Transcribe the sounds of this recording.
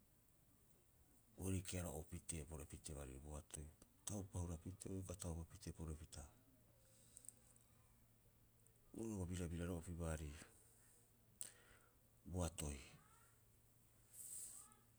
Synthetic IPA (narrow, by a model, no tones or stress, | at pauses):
oɾikeaɾo̰ʔopite̞po̞ɾoepite̞βaɾḭɾiboatʰo̞jtawpauɾapitʰeojkatawpapite̞poɾe̞pita | uɾoɡobiɾabiɾaɾo̞ʔopiβaːɾi | boato̞j